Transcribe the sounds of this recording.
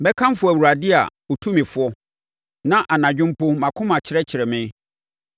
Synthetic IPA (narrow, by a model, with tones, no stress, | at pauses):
bɛ˦kʰã˦m˦fʊ˦˨æ˨wu˨ɾa˨dɪ˦a̰˨o˨tʰu˦mɪ̃˨fʊ˦ɔ˦ | nã˦ʔa˨nã˨d͡ʑᶣɪ̃˦m˦pʊ˦mã˨kʰʊ̃˦mã˨t͡ɕʰɪ˨ɾɛ˦t͡ɕʰɪ˨ɾɛ˨mɪ̃˦